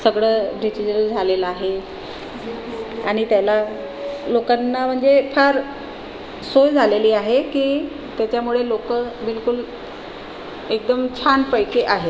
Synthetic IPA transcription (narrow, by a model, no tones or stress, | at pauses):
səɡɭəɖisid͡ʑɾəd͡zʱaleləaɦe | a̰ɽ̃it̪jala | lokanːam̤əɳd͡zefʰaɾ | sojd͡zʱaleliːaɦekiː | t̪jat͡ɕjamuɭelokəbilkul | ek̚d̪əmt͡ɕʰanpəjkeʔaɦe